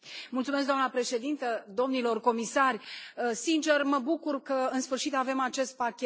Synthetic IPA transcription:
mult̪sumes̬ɡd̪oanəpɾe̞ʃe̞d̪int̪əd̪o̞mnilo̞rko̞misarʲsint͡ʃe̞rməbukurkəɨnsfɨrʃit̪ave̞mat͡ʃe̞st̪̚pakʲe

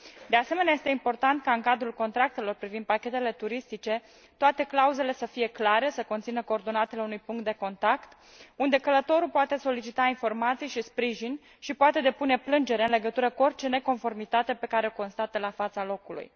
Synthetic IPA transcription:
d̪ease̞me̞neaje̞st̪e̞impo̞rt̪ant̪̚kaɨŋkad̪ɾulko̞nt̪ɾak̚t̪e̞lo̞rpɾivind̪̚pakʲe̞t̪e̞le̞t̪uɾist̪it͡ʃe̞ | t̪oat̪e̞klauze̞le̞səfije̞klaɾe̞səko̞nt̪sinəkoːrd̪o̞nat̪eleunujpuŋkt̪̚d̪e̞ko̞nt̪akt̪ | und̪e̞kələt̪o̞ɾupoat̪e̞so̞lit͡ʃit̪ainfo̞rmat̪sijʃispɾiʒinʲ | ʃipoat̪e̞d̪e̞pune̞plɨnd͡ʒe̞ɾeɨnle̞ɡət̪uɾəkuo̞rʲt͡ʃe̞ne̞ko̞nfo̞rmit̪at̪e̞pe̞kaɾe̞oko̞nst̪at̪əlafat̪salo̞kulṵj

